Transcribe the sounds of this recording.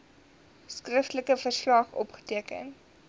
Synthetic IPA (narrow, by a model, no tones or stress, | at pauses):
skrəftləkəfərslɑχɔ̰pχə̥tiəkə̰n